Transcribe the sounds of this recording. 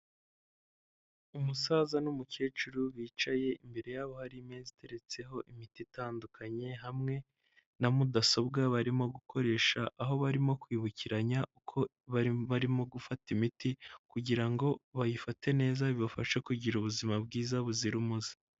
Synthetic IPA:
umusaːzanumuce̞ːt͡ʃuɾuβiːt͡ʃaje̞imbe̞ɾe̞jaːβo̞haɾimezite̞ɾe̞t͡se̞ɦo̞ʔimititaːndukʰaɲe̞ɦamŋe̞ | namudaso̞bɡaβaɾimo̞ɡukʰo̞ɾe̞ːʃaʔaɦo̞βaɾimo̞kwiːβuciɾaɲaukʰo̞ | βaβaɾimo̞ɡufatimitikuɟiɾaŋɡo̞βajifate̞ne̞ːzaβiβafaʃekuɟiɾuβuzimabɡiːzaβuziɾumuzi̥

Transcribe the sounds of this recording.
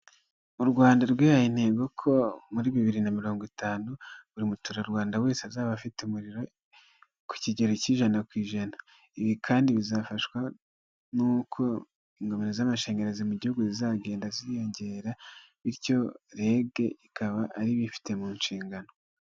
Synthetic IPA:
uɾɡwaːndaɾɡwehajine̞ːɡo̞kʰo̞muɾiβiβiɾinamiɾo̞ːŋɡitaːnuβuɾimutuɾaɾɡwaːndawe̞ːseazaːβafiteumuɾiɾo̞ | ku̥ciɟe̞ɾociːʒanakwiːʒana | iβikʰaːndiβizafaʃwa | nuːkʰo̞ | iŋɡo̞meɾezamaʃe̞ːɲɡeɾezimuɟihuɡuzizaɡe̞ːndaziɾijo̞ɲɟe̞ːɾaβiɾco̞ɾe̞ːɡe̞ikaβaʔːɾiβifi̥te̞muːnʃiːŋɡano̞

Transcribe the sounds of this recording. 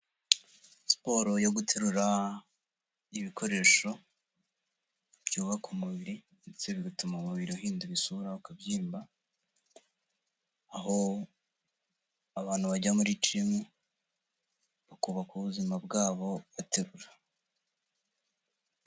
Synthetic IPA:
spo̞ɾo̞joɡutʰeɾuɾa | iβikʰo̞ɾe̞ːʃo̞ | b̥ɟuːβakumuβiɾi | ndet͡seβiɡatumamuβiɾiahɦiːnduβisuɾaukabjiːmba | ɦo̞ | aβaːn̥huβaɟamuɾit͡ʃiime | βakuβakuβuzimabɡaːβo̞βatʰeɾuɾa

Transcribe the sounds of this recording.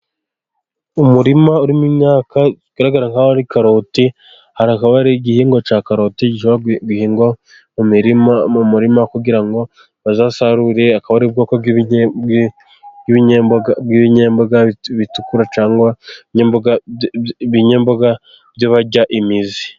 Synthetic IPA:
umuɾimauɾimumɲaːka | ɡ̥aɾaɡaɾaŋhaaɾikaɾo̞ːti | haɾiakaβaɾiɟihiːŋɡo̞t͡ʃaːkaɾo̞tiɟiʃoaɡihiːŋɡo̞ | mumiɾimaumuɾimakuɡiɾaŋɡo̞ | βazasaɾuɾe̞akaβaɾib̚ɡo̞ːkoɡi | iβiɲebabɡiβiɲe̞ːmboɡaβitukuɾat͡ʃaːŋɡwaiɲeːmboɡa | βiɲeːmboɡa | bjoβaɟaʔimizi

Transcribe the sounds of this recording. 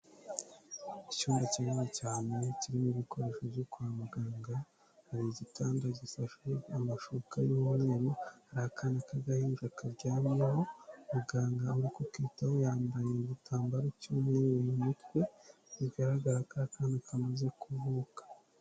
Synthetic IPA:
icuːmbaciɾunecaːneciɾimuβiko̞ɾe̞ːʃovjokuamuɡaːŋɡa | haɾiɟitʰaːndaɟisaʃuamaʃukajuuːmŋe̞ːɾuhaɾahakʰanakaɡahimiʒakaɾɟaːmaeho̞muɡaːŋɡauɾikokiːtahojaːmbajeiɟitʰaːmbaɾocomejijjumutwe̞iβɡaɾaɡaɾakakʰaːndikamaze̞kuvukḁ

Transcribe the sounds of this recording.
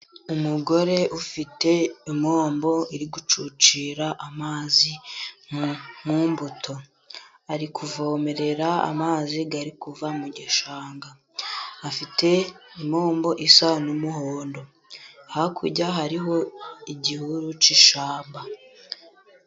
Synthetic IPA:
umuɡo̞ɾe̞ʔufite̞imo̞ːmbo̞iɾiɡut͡ʃut͡ʃiːɾaʔamaːzi | mumbutʰo̞ | aɾikʰuvo̞ːme̞ɾe̞ɾaa̰maːziɡaɾikuvamuɟeʃaːŋɡaː | fite̞imo̞ːmbo̞ʔisanumuhoːndo̞ | hakʰṵɾɟaɦaɾiɦo̞iɟihuɾut͡ʃiʃaːmba

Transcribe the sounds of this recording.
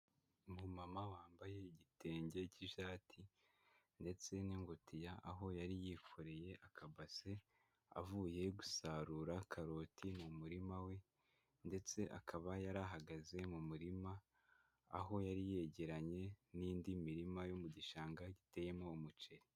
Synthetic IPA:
mumamawaːmbaje̞iɟitʰe̞ːɲɟe̞ciʃaːtʰi | nde̞t͡se̞niŋɡotʰijaʔaɦo̞jaɾijiːkʰoɾe̞je̞ʔakʰabase̞ | a̰vuːje̞ɡu̥saɾuːɾakʰaɾo̞tʰimumuɾimawe̞ | nde̞t͡se̞ʔakʰaβajaɾaɦaɡaze̞mumuɾima̰ː | ɦo̞jaɾije̞ɟe̞ɾaɲe̞niːndimiɾimajomuɟiʃaːŋɡaɟite̞je̞mo̞ːmut͡ʃe̞ɾi

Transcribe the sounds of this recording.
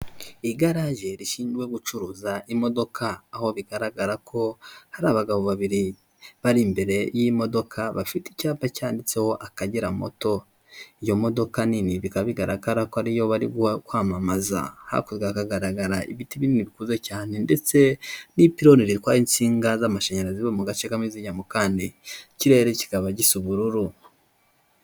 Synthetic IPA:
iɡaɾaʒe̞ɾiʃiːnd͡ʒɡwe̞ɡut͡ʃuɾuːzaʔimo̞do̞kʰaːho̞βiɡaɾaɡaɾakʰo̞haɾaːβaɡaβo̞βaβiɾi | βaɾimbe̞ɾe̞jimo̞do̞kʰaβafiticaːpacaːndit͡seho̞ʔakaɟiɾamo̰to̞ | ijo̞mo̞do̞kaniniβikaβiɡaɾaɡaɾakoaɾijo̞βaɾiɡkwaːmamaza̰ha̰kuzɡakaɡaɾaɡaɾaḭβitiβininiβikuzecaːne̞nde̞t͡se̞nipiɾo̞niɾiɾikwaːint͡siːŋɡazamaʃeɲeɾaziβomuɡat͡ʃekamiziɲamokaːndiciɾe̞ɾeci̥kaβaɟisuβuɾuɾu

